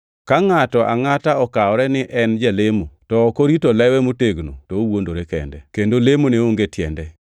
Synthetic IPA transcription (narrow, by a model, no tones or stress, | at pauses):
kaŋatɔʔaŋataɔkaɔɾɛnɪʔɛnd͡ʒalemotɔkoɾitolɛwɛmoteɡno̰tɔowondoɾekɛ̰ndɛkendolemoneoŋɡetjɛndɛ